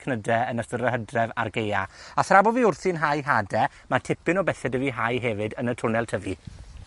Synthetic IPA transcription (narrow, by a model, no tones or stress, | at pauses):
kʰnədɛənəstəɾəɦədrɛva̰rɡejaaθrabɔviːʊrθinɦajɦadɛ | matʰɪpɪnɔbɛθɛdəviɦajɦɛvɨdənətʰʊnɛlˠtʰəvi